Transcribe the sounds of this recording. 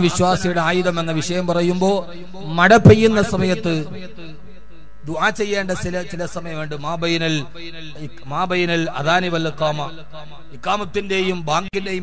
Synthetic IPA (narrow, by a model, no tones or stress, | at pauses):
ʋiɕwaːsijuɽeaːjuðɐme̞nːɐʋiʂɐjɐmpɐrɐjumbo̞ː | mɐɽɐpːejːunːɐsɐmɐjɐt̪ːɨ | d̪uʔaːt͡ɕːe̞jːeːɳɖɐsilɐt͡ɕilɐsɐmɐjɐmuɳɖɨmaːbɐjinɐl | maːbɐjinɐlɐðaːniʋɐlikːaːmɐ | ikːaːmɐt̪ːinde̞jumbaːŋɡinde̞ju